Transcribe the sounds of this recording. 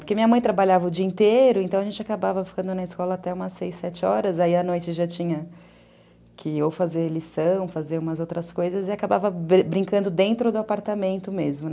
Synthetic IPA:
poɾkemĩɲɐmɐ̃j̃t̪ɾabaʎavɐʊd͡ʒiɐĩnt̪eɾʊẽnt̪ɐ̃w̃ɐʒẽnt͡ʃɪakabavɐfi̥kɐ̃nd̪ʊnɐɪskɔlɐːt̪ɛũmɐsejsːɛt͡ʃɪɔɾɐzaiɐnojt͡ʃɪʒat͡ʃĩɲɐ | kʰɪowfazeɾlisɐ̃w̃fazeɾũmɐzowt̪ɾɐskojzɐzɪakaba̰vɐbbɾĩŋkɐ̃nd̪ʊd̪ẽnt̪ɾʊd̪ʊapaɾt̪amẽnt̪ʊmezmʊn

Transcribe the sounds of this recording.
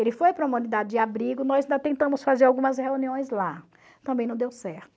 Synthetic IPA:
elɪfojpɾɐũmɐ̃nid̪ad̪ɪd͡ʒɪabɾiɡʊnɔzĩnd̪at̪ẽnt̪ɐ̃mʊsfazeɾawɡũmɐsheuniõj̃zla | t̪ɐ̃mbẽj̃nɐ̃d̪ewsɛɾt̪ʊ̥

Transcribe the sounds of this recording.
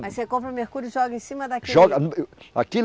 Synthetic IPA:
mɐjsekõpɾɐʊmeɾkuɾjʊɪʒɔɡɐẽsĩmɐd̪ɐkiʒɔɡɐa̰ki

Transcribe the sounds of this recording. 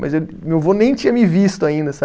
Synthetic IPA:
mɐ̰zew | mewvonẽj̃t͡ʃĩɐmɪvist̪ʊaĩnd̪ɐsa

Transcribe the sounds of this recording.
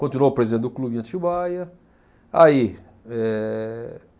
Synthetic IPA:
kõnt̪inuopɾezid̪ẽnʊklubĩɐ̃t͡ʃ̪iwajɐ | ai | ɛ

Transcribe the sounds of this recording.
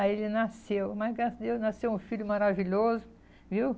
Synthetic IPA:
aelɪnasewmaɡɾasd̪ewnasewũfiʎʊmaɾaviʎozʊ | viw

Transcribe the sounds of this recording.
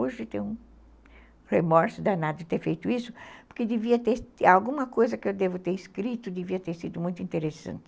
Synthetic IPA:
oʒɪt̪ẽj̃ũ | hemɔɾsʊd̪anad̪ɪt̪eɾfejt̪ʊisʊpoɾkɪd̪eviɐt̪eɾawɡũmɐkojzɐkɪewd̪evʊt̪eɾiskɾit̪ʊd̪eviɐt̪eɾsid̪ʊmũj̃t̪ʊĩnt̪eɾesɐ̰̃nt̪ɪ

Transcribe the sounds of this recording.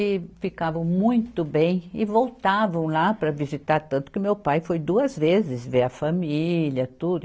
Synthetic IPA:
ɪfikavɐ̃w̃mũj̃t̪ʊbẽj̃ɪvowt̪avɐ̃w̃lapɾɐvizit̪aɾt̪ɐ̃nt̪ʊ̥kɪʊmewpajfojd̪uɐzvezɪzveɾɐfamilɐt̪ud̪ʊ

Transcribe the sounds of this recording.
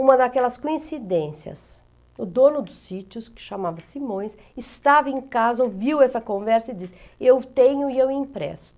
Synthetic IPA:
ũmɐd̪akɛlɐskõĩsid̪ẽsjɐ̰s | ʊd̪õnʊd̪ʊsit͡ʃjʊskɪ̥ʃamavɐsimõj̃s | ɪst̪avɐẽkazɐoviwɛsɐkõvɛɾsɐɪd͡ʒis | ewt̪ẽɲʊɪewĩpɾɛ̰sʊ̥

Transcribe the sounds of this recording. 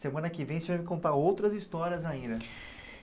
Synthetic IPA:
semɐ̃nɐkɪvẽj̃svãmɪkõnt̪aowt̪ɾɐzist̪ɔɾiɐzaĩnd̪ɐ

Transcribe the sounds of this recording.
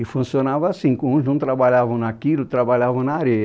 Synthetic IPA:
ɪfũsionavɐːsĩkõũʒnɐ̃w̃t̪ɾabaʎavɐ̃w̃nakilʊt̪ɾabaʎavɐ̃w̃nɐaːɾeɐ

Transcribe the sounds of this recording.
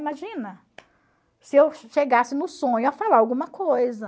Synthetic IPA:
imaʒĩnɐ | sɪewʃeɡasɪnʊsõɲʊafalaawɡũmɐkojzɐ

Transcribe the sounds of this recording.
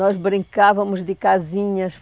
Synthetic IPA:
ɔʒβɾĩŋkavɐmuʒd̪ɨkaziɲɐʃ

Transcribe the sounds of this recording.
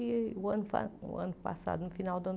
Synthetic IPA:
iwanfa̰a̰npa̰sa̰d̪ɨnfinald̪ɐn

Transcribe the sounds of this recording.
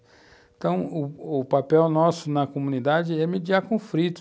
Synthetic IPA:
t̪ɐ̃w̃ʊʊpapɛwnɔsʊnɐkomũnid̪ad͡ʒɪɛmed͡ʒiaɾkõfɾit̪ʊ̥

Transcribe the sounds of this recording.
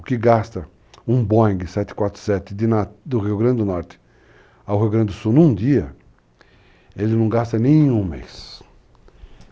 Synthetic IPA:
ʊkɪɡast̪ɐ | ũbõj̃ɡɪsɛt̪ɪ̥kwat̪ɾʊ̥sɛt̪ɪd̪ɪnad̪ʊɦiʊɡɾɐ̃nd̪ɪʊnɔɾt̪ɪ̥ | awɦijwɡɾɐ̃nd̪ɪd̪ʊsuwnũd̪iɐ | elɪnɐ̃w̃ɡast̪ɐnẽj̃ũmḛjs

